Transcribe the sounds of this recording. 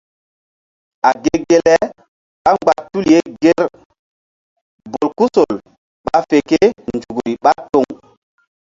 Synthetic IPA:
a˨ɡe˦ɡe˦lɛ˦ | ɓa˦ŋ͡mɡ͡ba˨tu˦lje˦ɡe˦ɾ | bo˨lku˦so˨l | ɓa˦fe˨ke˦nd͡ʒu˨ɡɾi˨ɓa˦to˦ŋ

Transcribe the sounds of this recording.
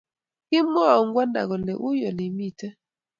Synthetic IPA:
kɪ˦mwɔ˦˨ɔ˨ŋɡwa˦nda̰˨ɣɔ˨nɛ˨ʔu˦jɔ˨li˨mi˦˨tɛ˦

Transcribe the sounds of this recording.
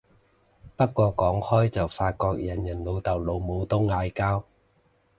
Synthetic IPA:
pɐ˥t̚kʷːɔː˧kɔː˨˥ŋhɔː˥jt͡sɐ˨wfaː˧t̚kɔː˧k̚jɐ˨˩njɐ˨˩nlo˨˧wt̪ɐ˨˩wlo˨˧wmo˨˧wt̪ʊ˥ŋːaː˧jkaː˥w

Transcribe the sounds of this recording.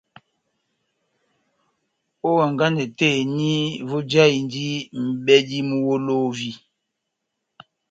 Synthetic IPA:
o˦wa˨ŋɡa˦ndɛ˨te˦˨ni˦vo˦d͡ʒa˦i˨ndi˦m̩˨bɛ˦di˦mu˦wo˦lo˦vi˦

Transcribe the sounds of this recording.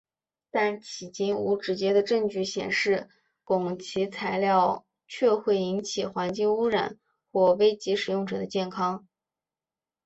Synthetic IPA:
t̪a˥˩nt͡ɕʰi˨˩t͡ɕi˥nu˧˥ʈ͡ʂɻ̩˧˥t͡ɕjɛ˥d̪ə˨ʈ͡ʂɤ˥˧ŋt͡ɕy˥˩ɕjɛ̰˨˩nʂɻ̩˥˩ | kʊ˨˩ŋt͡ɕʰi˧˥t͡sʰa˧˥ɪljɑ˥˧ʊ | t͡ɕʰɥɛ˥˧xwe˥˩ɪi˧˥nt͡ɕʰi˨˩xwa˧˥nt͡ɕi˥˧ŋu˥ɻa̰˨˩˦n | xwɔ˥˩we˥ɪt͡ɕi˧˥ʂɻ̩˨˩jʊ˥˩ŋʈ͡ʂɤ̰˨˩d̪ə˦t͡ɕjɛ˥˩nkʰɑ˥ŋ

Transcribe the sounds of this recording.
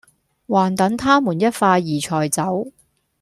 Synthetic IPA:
waː˨˩nt̪ɐ˨˥ŋt̪ʰaː˥muː˨˩njɐ˥t̚faː˧jiː˨˩t͡ʃʰɔː˨˩jt͡sɐ˨˥w

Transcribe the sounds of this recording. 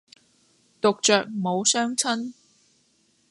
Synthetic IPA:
t̪o˨k̚t͡ʃœː˨k̚mo˨˧wsœː˥ŋt͡sʰɐ˥n

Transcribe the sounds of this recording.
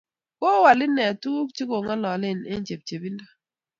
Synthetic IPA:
ko˦wa˨lɪ˦nɛ˨tu˦kt͡ʃi˦ko˨ŋa˦lɔ˨lɪ˦˨ne˦nt͡ʃe˨p̚t͡ʃe˨bi˦nda˦

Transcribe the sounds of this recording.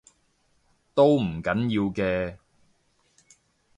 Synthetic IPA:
t̪o˥wm̩˨˩kɐ˨˥njiː˧wkɛː˧

